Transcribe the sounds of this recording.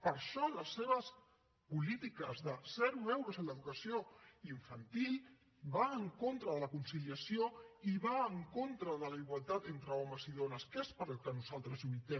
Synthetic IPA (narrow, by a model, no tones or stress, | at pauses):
pəɾʃɔləsːeβ̞əs | pulit̪ikəzðəsɛɾumɛwɾəzənləðukəsioiɱfənt̪ilˠ | βaəŋkont̪ɾəðələkunsiliəsioiβaəŋkont̪ɾəðələiɣwalˠt̪at̪ent̪ɾəɔməziðonəskespəɾəlˠkənuzalˠt̪ɾəzuβit̪ɛ